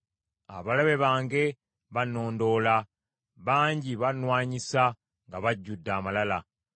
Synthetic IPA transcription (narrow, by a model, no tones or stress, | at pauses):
a̰βalaβe̞βaːŋɡe̞ | βano̞ːndo̞ːla | βaːɲɟiβanwaːɲisa | ŋɡaβaɟːudːaːmalala